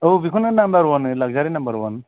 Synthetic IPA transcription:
owbikʰunɯnambaɾwɔnɯlaɡ̚zaɾinambaɾwɔn

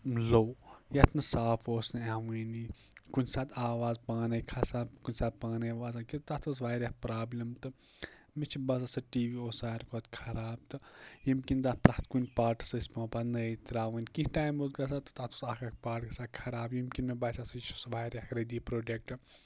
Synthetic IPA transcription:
lowjɐt̪ʰnɨsaːfʰoːsnɨaʋɨːni | kunʲsaːt̪ʰaːʋaːzpaːnɐjkʰɐsaːkunʲsaːt̪̚paːnɐʋaːs̬aːkit̪t̪at̪ʰusʋaːɾʲahpɾaːblʲɐmt̪ɨ | mit͡ʃʰibɐs̬ɐsɐʈiːʋiːoːsaːɾkot̪kʰɐɾaːb̚t̪ɨjimkind̪aplɐht̪kunʲpaːʈɨ̥sɐsʲpãːpanɐjt̪ɾaːʋɨːnkĩɦʈaːjmot̪ɡɐs̬aːt̪ɨ̥t̪at̪ʰusakak̚paːʈkɐsaːkʰɐɾaːbjimkʲinmebasɐsɐit͡ʃʰusʋaːɾʲahɾɐd̪iːpɾoːɖek̚ʈɨ

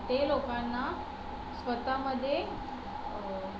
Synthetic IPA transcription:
t̪eloːkanːa | sʋət̪aməd̪ʱje

